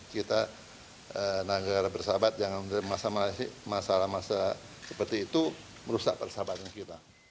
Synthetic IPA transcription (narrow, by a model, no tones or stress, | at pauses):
kit̪a | ənaɡaɾabərsabat̪̚d͡ʒaŋandəmasamaasiʔmasalahmasa | sə̥pərt̪iːt̪u | məɾusa̰ʔpərsabat̪ankit̪a